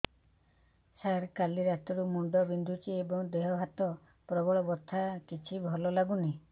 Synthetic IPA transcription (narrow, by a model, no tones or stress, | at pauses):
saɾkaliɾat̪ɔɾumuɳɖɔbind̪ʱut͡ʃiebɔŋd̪eɦɔɦat̪ɔ | pɾɔbɔɭɔbɔt̪ʰakit͡ʃʰibʱɔlɔlaɡuni